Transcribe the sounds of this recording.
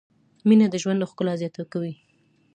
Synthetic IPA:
minad̪əʒwand̪laxkəlazjɑt̪akawi

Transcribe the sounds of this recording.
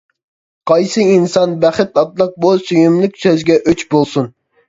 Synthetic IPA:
qʰɑjsɨinsɑnbæχɪt̪ɑt̪lˠəq̚busyjymlˠɪkʲsøzɡʲɛʔøt͡ʃbolˠsun

